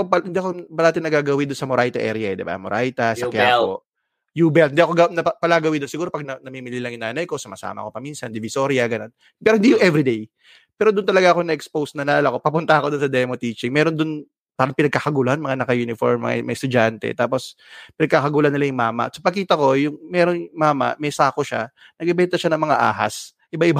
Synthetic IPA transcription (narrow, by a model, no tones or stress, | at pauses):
opɐhɪnd̪iɐkobɐnaːt̪ɪnːɐɡaːɡɐwɪnd̪ʊnsɐmoɾʔajt̪ɐʔɛɾjɐɛd̪ɪba̰moɾʔajt̪ɐsɐkjako | juːbɛlɪnd̪iʔɐkoɡɐnɐpɐlaːɡɐwɪnd̪onsɪɡuːɾo̞pɐɡ̚nɐnɐmiːmɪlilɐŋjʊŋnaːnɐjko̞sɐmɐsa̰ːmɐ̰ko̞pɐminsɐnd̪ɪvɪso̞ɾɪjɐɡɐno̞n | pɛːɾohɪnd̪ijʊŋʔɛvɾid̪ej | pɛːɾod̪ʊnt̪ɐlɐɡaʔɐkonɐʔɛkspowsnɐnlaːlɐko̞pɐpʊnt̪ɐʔɐko̞d̪onsɐd̪ɛmot̪iːt͡ʃɪŋmɛɾo̞nd̪ʊn | paːɾɐŋpɪnɐɡ̚kaːkɐɡuːlanmɐŋanɐkɐjuːnɪfo̰ɹmːɐ̰ŋa̰mɐ̰st̪ʊd͡ʒant̪ɛ̰t̪aːpo̞s | pɪnɐɡ̚kaːkɐɡuːlɐnːɪlajʊŋmaːmɐ̰sɐpɐkiːt̪ɐko̞jʊŋmɛɾo̞nmaːmɐ̰mɛsaːkoʃa̰ | nɐɡɛbɛnt̪ɐʃanɐŋmɐŋaʔa̰ːɦa̰s | ʔɪbaʔɪb